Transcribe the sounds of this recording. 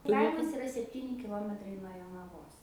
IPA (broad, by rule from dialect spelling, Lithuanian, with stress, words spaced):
ˈkɐɪmɐs ɪˈrɐ sʲɛpʲˈtʲiːnʲɪ kʲɪˈlˠoːmʲɛtrɐɪ nuɔ joːnɐˈʋoːs